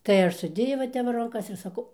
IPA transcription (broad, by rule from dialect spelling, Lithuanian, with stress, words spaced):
tɐɪ ˈɐʃ sʊˈdʲeːjɛʊ ʋɐ ˈtʲɛp ʋɐ rɐŋˈkɐs ɪr sɐˈkɐʊ